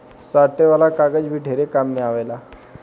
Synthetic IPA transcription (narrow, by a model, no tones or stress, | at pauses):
saʈeʋalakaɡəd͡ʑbʱiːʈʰeɾekamːiaʋajla